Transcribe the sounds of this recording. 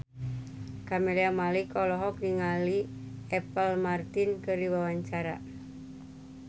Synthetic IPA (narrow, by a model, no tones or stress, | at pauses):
kameliamalikɔlɔɦɔk̚niŋaliɛpəlmart̪inkɨrdiwawaɲt͡ʃaɾa̰